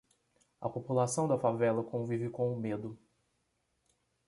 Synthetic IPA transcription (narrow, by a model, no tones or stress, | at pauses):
ɐ̰populasɐ̃w̃d̪ɐfavɛlɐkõvivɪkõʊmed̪ʊ